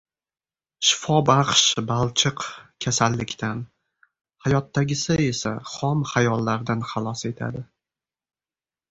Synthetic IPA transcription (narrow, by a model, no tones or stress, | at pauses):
ʃɪfɒbaqʃbalˠt͡ʃʰɪqkʲʰasalːɪkʲt̪ʰan | hajɒt̪ːaɡʲɪsɪe̞sa̰χɒmχajɒlːaɾd̪anχɑlˠɒse̞t̪ʰa̰d̪ɪ